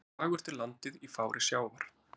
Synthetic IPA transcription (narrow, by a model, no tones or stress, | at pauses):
vaːɣʏɾ̥t̪ɪlant̪ɪðifaːwɾʔɪsjaːwvaɾ̥